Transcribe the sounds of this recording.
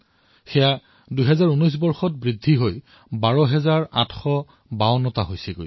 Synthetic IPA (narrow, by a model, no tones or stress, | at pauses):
xɛja | dujɦɛzaɹunɔjs̬bɔɹxɔt̚bɹidʱːiɦoj | baɹɔɦɛzaɹa̰tʰxɔ | bawnɔtaɦojsɛɡo̰j